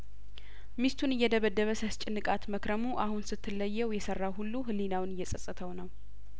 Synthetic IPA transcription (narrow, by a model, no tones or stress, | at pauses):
mist̪ʰunɨjːɛd̪əβəd̪ːəβəsəst͡ʃʼɪnːɨkʼat̪məkɾəmuʔahunsɨt̪ʰːɨlːəjːɛwjɛsərːawhulːuɦɨlːinawnɨjːɛsʼəsʼːɨt̪ʰəwnəw